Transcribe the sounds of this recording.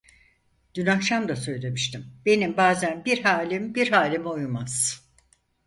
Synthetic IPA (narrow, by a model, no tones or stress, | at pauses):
d̪̥ynakʃamd̪asø̞jlʲe̞miʃt̪ʰimbe̞nimbaːzænbiɾɦaːlʲimbiɾɦaːlʲimojumaz̥